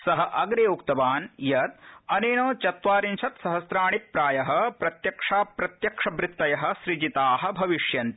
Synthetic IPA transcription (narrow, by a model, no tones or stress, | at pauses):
sɐɦɐʔɐɡɾeːukt̪ɐʋaːnjɐt̪̚ɐneːnoːt͡ʃɐt̪ʋaːɾinʃʰɐt̪sɐɦɐsɾaːɳipːɾaːjɐɦɐpɾɐt̪jɐkʂaːpɾɐt̪jɐkʂɐbɾɪt̪ːɐjɐɦɐ̆ʃɾid͡ʒit̪aːɦɐ̆bʱɐʋiʂjɐnt̪